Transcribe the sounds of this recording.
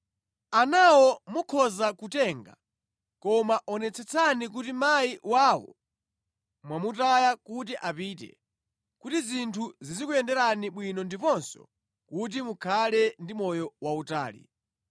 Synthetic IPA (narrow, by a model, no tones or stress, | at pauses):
anawɔmukʰɔzakutɛŋɡa̰ | kɔmaʔɔnɛt͡sʰɛt͡sʰanik̬utimaiwawɔ̰ | mwamutajakut̬iʔapiːtɛ̰ | kutizintʰuzizikujɛndɛɾaniɓwinɔndipɔnsɔ̰ | kut̬imukʰalɛndimɔjɔwauta̰ːlḭ